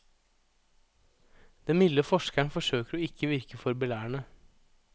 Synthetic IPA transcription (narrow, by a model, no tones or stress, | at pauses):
d̪̥ɛmmɪləfɔʃkæɳfɔʃøːkəɾɔɪkʰːəʋɪɾkəfɔɾbəlæːɳə